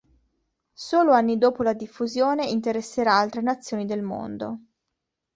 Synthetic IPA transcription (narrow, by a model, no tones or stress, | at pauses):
soːloanːid̪oːpolad̪ifːuzjoːneint̪eɾesːeɾaalt̪ɾenat̪sːjoːnid̪elmo̰nd̪o̰